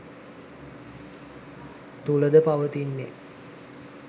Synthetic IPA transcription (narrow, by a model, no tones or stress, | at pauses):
t̪uləd̪əpaʋət̪inːḛ